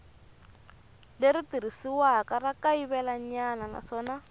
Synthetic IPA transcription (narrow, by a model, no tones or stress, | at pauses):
leɾitirisiwakarakaiβɛlaɲanana̰ʂɔːna